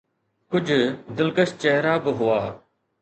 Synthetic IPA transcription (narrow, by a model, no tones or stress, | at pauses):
kʊd͡ʑʱd̪ɪlkəʃt͡ɕɐɦɾabɪɦʊaː